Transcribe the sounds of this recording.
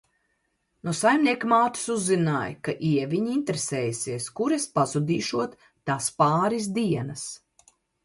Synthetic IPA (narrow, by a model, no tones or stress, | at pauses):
nusajmniɛkmaːt̪u̥suzːinaːjkaʔiɛvʲiɲiint̪eɾesɛːjsiɛskuɾespazud̪iːʃuɔt̪ː | aːspaːɾis̬d̪iɛnɐs